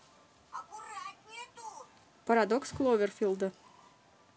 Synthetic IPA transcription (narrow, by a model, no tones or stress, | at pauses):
pɐɾad̪oksklˠovʲerfʲilˠd̪ə